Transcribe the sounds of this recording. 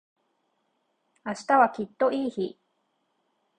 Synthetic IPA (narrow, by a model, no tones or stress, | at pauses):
aɕi̥t̪aβakʲit̪ːo̞iːçi